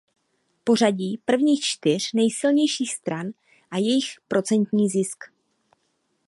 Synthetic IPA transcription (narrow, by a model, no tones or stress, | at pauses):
po̞r̝aɟiːpr̩vɲiːxt͡ʃt̪ɪr̝̥nɛjsɪlɲɛjʃiːxst̪ɾan | ʔajɛjɪxpɾo̞t͡sɛnt̪ɲiːzɪsk